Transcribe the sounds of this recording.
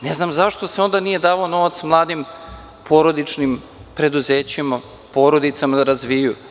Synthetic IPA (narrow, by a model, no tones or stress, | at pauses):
neznamzaʃt̪oseo̞nd̪anije̞d̪aːʋaono̞ʋat̪smlˠaːd̪im | pʰo̞ɾod̪it͡ʂnim | pɾe̞d̪uzeːt͡ɕima | po̞ɾo̞d̪it̪samad̪aɾazʋiju